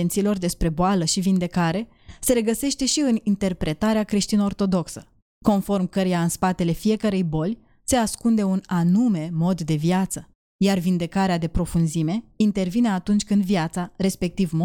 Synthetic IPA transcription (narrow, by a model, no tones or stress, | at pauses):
ent̪silo̞rd̪e̞spɾe̞boaləʃivind̪e̞kaɾe̞ | se̞ɾe̞ɡəse̞ʃt̪e̞ʃiɨnint̪e̞rpɾe̞t̪aɾeakɾeʃt̪inəo̞rt̪o̞d̪o̞ksə | ko̞nfo̞rmkəɾijaɨnspat̪e̞le̞fije̞kəɾe̞jbo̞lʲ | se̞askund̪e̞unanume̞mo̞d̪ːe̞viat̪sə | jarvind̪e̞kaɾead̪e̞pɾo̞funzime̞int̪e̞rvine̞at̪unt͡ʃʲkɨnd̪viat̪saɾe̞spe̞k̚t̪ivmo